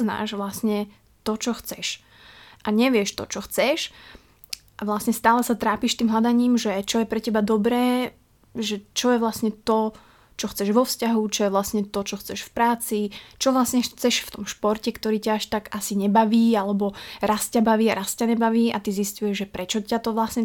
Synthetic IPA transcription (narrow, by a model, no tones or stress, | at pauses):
zna̰ːʒʋlasɲɛ | t̪ɔt͡ʃɔxt͡sɛʃ | ʔaɲɛʋɪɛʃt̪ɔ̰t͡ʃɔxt͡sɛʃ | ʔaʋlasɲɛst̪aːlɛsat̪ɾaːpiʃt̪iːmɦlad̪aɲiːmʒɛt͡ʃɔjɛpɾɛcɛbad̪ɔbɾɛː | ʒɛt͡ʃɔjɛʋlasɲɛt̪ɔ | t͡ʃɔxt͡sɛʒʋɔfscaɦut͡ʃɔjɛʋlasɲɛt̪ɔt͡ʃɔxt͡sɛʃfpɾaːt͡sit͡ʃɔʋlasɲɛxt͡sɛʃft̪ɔmʃpɔɾcɛkt̪ɔɾiːcaaʃt̪aɡasiɲɛbaʋiːalɛbɔɾascabaʋiːaɾascaɲɛbaʋiːa̰t̪iziscujɛʒʒɛpɾɛt͡ʃɔcat̪ɔʋlasɲɛ